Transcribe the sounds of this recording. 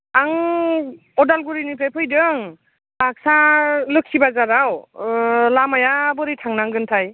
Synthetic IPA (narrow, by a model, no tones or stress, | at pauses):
aŋ | ɔdalɡuɾinipʰɾajpʰɯjdɯŋ | bak̚salɯkʰsibazaɾaw | lamajabɯɾitʰaŋnaŋɡɯntʰaj